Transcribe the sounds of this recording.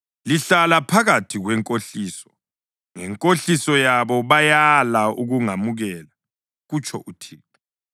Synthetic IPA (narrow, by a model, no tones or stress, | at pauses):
liɬalapʰaɣatʰiɣwɛŋkʼoɬiːsɔ̥ | ŋɛŋkʼoɬisɔjaβɔβajalaṵɣuŋamuɣɛːla | ɣut͡ʃʰʼɔ̰ʔutʰiːtʰʼɔ